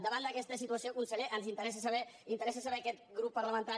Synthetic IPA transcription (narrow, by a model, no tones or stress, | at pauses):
d̪əβand̪əkɛst̪əsit̪uəsiokunsəʎeʔənzint̪əɾɛs̬əs̬əβɛint̪əɾɛs̬əsəβɛkɛt̪̚ɡɾupːəɾləmə̃nt̪a